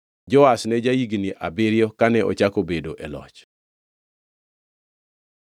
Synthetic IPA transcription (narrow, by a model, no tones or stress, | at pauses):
d͡ʒɔasnɛd͡ʒaiɡniʔabɪɾjɔkanɛʔɔ̰t͡ʃakobedoʔɛlɔ̰t͡ʃ